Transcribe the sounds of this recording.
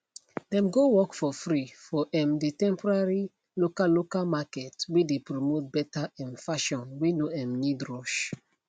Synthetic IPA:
ɛ̃mɡowɔkfɔfɹifɔʔɛ̃mditɛ̃mpɔɹaɹi | lokalːokalmakɛtwidepɹomot̚bɛtaɛ̃nfaʃɔ̃nwinoɛ̃mnidɹɔʃ

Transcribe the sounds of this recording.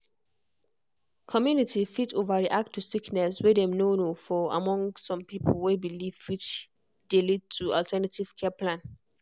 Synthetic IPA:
kʰɔmjunitifitovaɹiʔak̚tʰːusiknɛswedɛ̃mnonofɔa̰mɔ̃ŋsɔ̃mpipʰl̩webilivwit͡ʃ | delid̚tʰualtʰɛnativ̥kʰɛpʰlãn

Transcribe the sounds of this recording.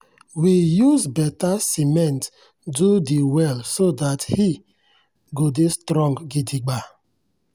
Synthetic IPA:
wijuzbɛtasimɛ̃nt | dudiwɛlsodathi | ɡodestɾɔ̃ŋɡɡidiɡ͡ba

